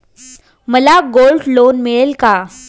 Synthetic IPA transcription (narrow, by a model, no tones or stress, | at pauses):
məlaɡoːlɖloːnmeɭelka